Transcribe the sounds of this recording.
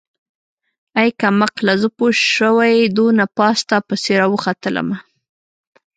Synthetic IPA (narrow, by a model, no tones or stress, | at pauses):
ajkamaqlazəpoʃʃəwajd̪onapɑst̪apəseɾɑwəxat̪ələ̰ma